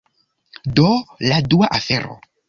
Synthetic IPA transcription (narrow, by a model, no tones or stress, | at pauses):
doladuaʔafḛɾo̰